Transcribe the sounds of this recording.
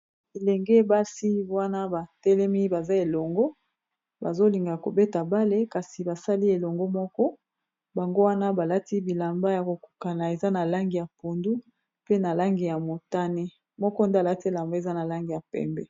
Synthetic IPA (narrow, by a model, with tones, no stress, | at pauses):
e˨lɛ˨ŋɡe˦ba˦si˦wa˦na˦ba˨tɛ˦lɛ˦mi˦ba˨za˦e˨lɔ˨ŋɡo˦ | ba̰˨zo˦li˨ŋɡa˨ko̰˨be˦ta˨ba˦le˦ka˨si˨ba˨sa˦li˦e˨lɔ˨ŋɡo˦mɔ˦kɔ˦ | ba˨ŋɡo˦wa˦na˦ba˨la˦ti˦bi˨la˨mba˦ja˨ko˨ku̥˨ka˨na˨e˨za˦na˨la˦ŋɡi˨ja˨po˨ndu˦ | pe˦na˨la˦ŋɡi˨ja˨mo˨ta˦ne˦ | mɔ˦kɔ˦nda˦˨la˦ti˦˨la˨mbo˦e˨za˦na˨la˦ŋɡi˨ja˨pɛ̰˨mbɛ˨